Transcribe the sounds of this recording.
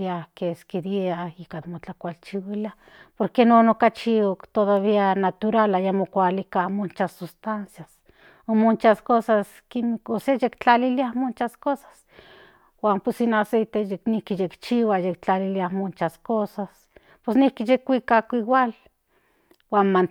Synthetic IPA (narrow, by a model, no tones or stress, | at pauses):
ahkeskid̪eahikad̪mot͡ɬakʷalt͡ʃiwilia | poɾkenoːnokat͡ʃiokt̪oðaβianat̪uɾalajamokʷalikamont͡ʃasust̪ansjas | omont͡ʃaskosas | kimikosejekt͡ɬaliliahmont͡ʃaskosḁs | waːmposinasejt̪ejeknihkijekt͡ʃiwajekt͡ɬaliliamont͡ʃaskosas | pesnihkijekʷikakʷiwal | waːnman